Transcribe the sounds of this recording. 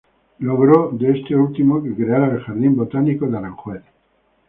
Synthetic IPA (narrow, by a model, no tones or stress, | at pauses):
loɣ̞ɾod̪eest̪eult̪imokekɾeaɾaelxaɾðimbot̪anikoðeaɾaŋxweθ